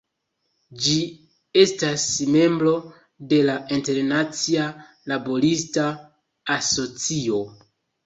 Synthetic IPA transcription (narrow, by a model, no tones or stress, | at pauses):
d͡ʒi | e̞stasme̞mbɾo̞ | de̞lainte̞ɾnat͡sia | labo̞ɾistaː | so̞t͡sio̞